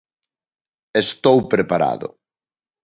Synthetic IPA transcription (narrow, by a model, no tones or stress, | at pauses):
est̪owpɾepaɾa̰ðʊ̰